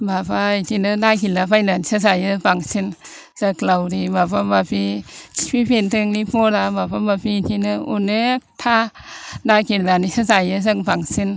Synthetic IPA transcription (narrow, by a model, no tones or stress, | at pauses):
bapʰajtʰinɯdajkilapajnanisas̬ajɯpaŋsin | saklawɾibapamapʰiipʰipʰentɯŋnipʰolabapabapʰit̪ʰinɯunek̚tʰa | dajkʰinanisasajɯs̬akpaŋsin